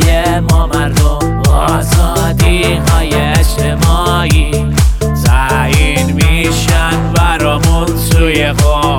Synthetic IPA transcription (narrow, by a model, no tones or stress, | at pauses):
jemɔːmæɾd̪ombɔ | zɒ | d̪i | ɦɒːjeʃt̪ʰemɒː | i | zæ | inmiʃænbæɾɔːmunsuːjeɣo